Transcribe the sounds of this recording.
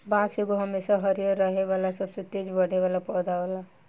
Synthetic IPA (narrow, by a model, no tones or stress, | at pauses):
bãsekoɦəmesaɦəɾijəɾːəɦeʋalasəbset̪ed͡ʒbəɽ̤ʱeʋalapɔːd̪aʋala